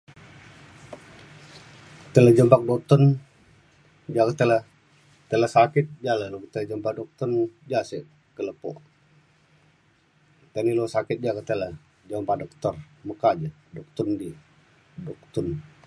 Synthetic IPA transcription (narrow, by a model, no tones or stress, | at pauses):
t̪ələd͡ʒəmbak̚dok̚t̪ɔn | d͡ʒakət̪ələ | t̪ələsakɪt̪̚d͡ʒaləlot̪ələd͡ʒəmbadɔk̚t̪ɔnd͡ʒasəʔ | kələpɔʔ | t̪əniloŋsakɪt̪̚d͡ʒakət̪ələ | d͡ʒəmbahdɔk̚t̪ɔr | məkad͡ʒə | dɔk̚t̪undi | dok̚t̪un